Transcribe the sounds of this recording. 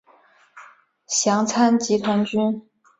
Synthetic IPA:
ɕjɑ˧˥ŋt͡sʰa˥nt͡ɕi˧˥t̪ʰwa˧˥nt͡ɕy˥n

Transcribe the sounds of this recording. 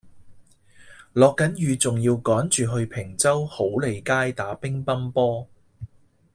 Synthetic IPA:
lɔː˨kːɐ˨˥njyː˨˧t͡sʊ˨ŋjiː˧wkɔː˨˥nt͡ʃyː˨˩ɦɵ˧ɥpʰɪ˨˩ŋt͡sɐ˥who˨˥wle˨jkaː˥jt̪aː˨˥pɪ˥ŋpɐ˥npɔː˥

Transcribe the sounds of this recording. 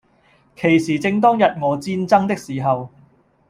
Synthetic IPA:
kʰe˨˩jsiː˨˩t͡sɪ˧ŋt̪ɔː˥ŋjɐ˨t̚ŋɔː˨˧t͡siː˧nt͡sɐ˥ŋt̪ɪ˥k̚siː˨˩ɦɐ˨w

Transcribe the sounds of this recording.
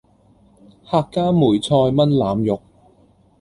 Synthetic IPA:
haː˧kːaː˥muː˨˩jt͡sʰɔː˧jmɐ˥nlaː˨˧mjʊ˨k̚

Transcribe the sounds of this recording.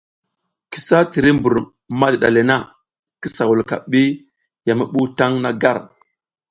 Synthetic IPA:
ki̥˨sa˦ti˨ɾi˦mbu˨ɾ | ma˦dɗa̰˨le˨na˦ | ki˦sa˨wu˨lka̰˨ɓi˦ | ja˨mi˦ɓu˦ta˦ŋna˦ɡa˦˨ɾ

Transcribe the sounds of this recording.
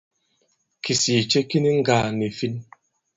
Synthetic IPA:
kʰi˨si˨t͡ʃe˦ki˦ni˦ŋ̩˦ɡa˨ne˨fi˦n˦

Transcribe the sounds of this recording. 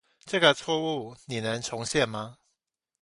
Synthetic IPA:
ʈ͡ʂɤ˥˩ɡə˨t͡sʰwɔ˥˧u˥˩ni˨˩nə˧˦ŋt͡sʰʊ˧˥˦ŋɕjɛ˥˨nma˧

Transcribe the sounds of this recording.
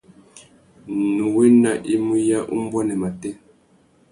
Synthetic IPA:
nu˨wɛ˦na˨ʔi˦mu˦ja˦ʔṵ˦m˦bwa˦nɛ˨ma˨tɛ˦

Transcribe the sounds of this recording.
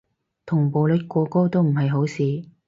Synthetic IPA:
t̪ʰʊ˨˩ŋpo˨˧wlɵ˨˥t̚kʷɔː˧ko˥wt̪o˥wm̩˨˩ɦɐ˨jɦo˨˥wsiː˨˧

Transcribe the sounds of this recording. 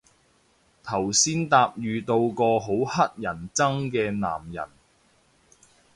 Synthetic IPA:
t̪ʰɐ˨˩wsiː˥nt̪aː˧p̚jyː˨˧t̪o˧wkɔː˧ɦo˨˥whɐ˥t̚jɐ˨˩nt͡sɐ˥ŋkɛː˧na̰ː˨˩mjɐ̰˨˩n

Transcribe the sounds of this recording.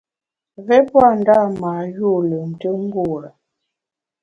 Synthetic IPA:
vɛ˦pwa˦˨n̩˨da˦˨ma˨ju˦˨lə˨n̩˨tə˦ŋ̩˦ɡu˦˨ɾa˨

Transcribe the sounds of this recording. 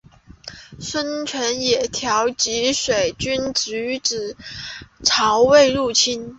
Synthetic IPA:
swə˥nt͡ɕʰɥɛ˧˥njɛ˨˩t̪ʰjɑ˧˥ʊt͡ɕi˧˥ʂwe˨˩ɪt͡ɕy˥nt͡sy˧˥ʈ͡ʂɻ̩˨˩ | ʈ͡ʂʰɑ˧˥ʊwe˥˧ɪɻu˥˩t͡ɕʰi˥n

